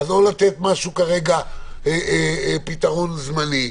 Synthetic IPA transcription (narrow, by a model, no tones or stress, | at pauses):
azolat̪et̪maʃukaʁeɡa | epit̪aʁonzmani